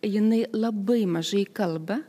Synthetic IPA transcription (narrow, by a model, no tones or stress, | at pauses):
jɪnɐɪlˠɐbɐɪmɐʒɐɪkɐlˠbɐ